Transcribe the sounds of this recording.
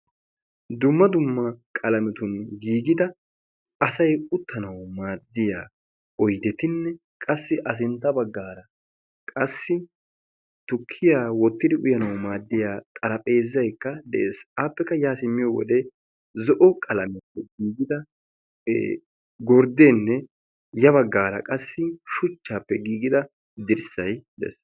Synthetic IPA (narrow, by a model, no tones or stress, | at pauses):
d̪ʊmːɐd̪ʊmːɐkʼɐlɐmɛt̪ʊnɡiːɡɪd̪ɐ | ɐsɐjʊt̪ʰːɐnɐwmaːd̪ːɪja̰ː | ɔjd̪ɛt̪ɪnːɛ | kʼɐsːɪʔɐs̬ɪnt̪ːɐbɐɡːaːɾɐ | kʼɐsːɪ | t̪ʊkʰːɪjaːwɔt̪ːɪd̪ɪʔʊjɐnɐwmaːd̪ːɪjaːt̪ʼɐɾɐpʼe̞ːzːɐjkːɐd̪ɛʔḛːsaːpːɛkːɐjaːsɪmːɪjɔwɔ̰d̪ɛ | zɔʔɔkʼɐlɐmɛpːɛɡiːɡɪd̪ɐ̰ | ɡɔɾd̪eːnːɛ | jɐβɐɡːaːɾɐkʼɐsːɪʃʊt͡ʃːaːpːɛɡiːɡɪd̪ɐ | d̪ɪɾsɐjd̪ɛ̰s